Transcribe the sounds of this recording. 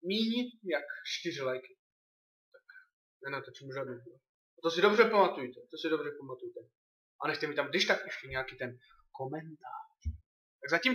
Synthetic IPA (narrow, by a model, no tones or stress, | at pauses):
miːɲijakt͡ʃt̪ɪrɪlajkɪ̥ | t̪ak | nɛnat̪ot͡ʃimuʒaduo | t̪osɪdo̞brɛpamat̪ujt̪ɛt̪osɪdobrɛpamat̪ujt̪ɛ | ʔanɛxt̪ɛmiːt̪amɡ̚dɪʃt̪akʔɛʃcɛɲɛakiːt̪ɛn | komɛnt̪aːr | t̪aɡzacim